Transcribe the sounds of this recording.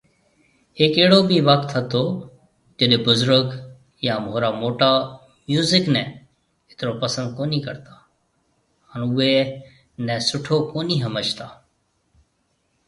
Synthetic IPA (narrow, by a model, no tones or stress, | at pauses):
hɪkeːɽoːbʱiːʋək̚t̪ɦət̪oː | d͡ʒəɗebʊzɾək | jãːmɦoːɾaːmoːʈaː | mjuːzɪknɛ̃ː | ɪt̪ɪɾoːpəsə̃nd̪̚koːniːkə̰ɾt̪aː | ənʊeː | nɛ̃ːsʊʈʰoːkoːniːɦəməd͡ʒt̪aː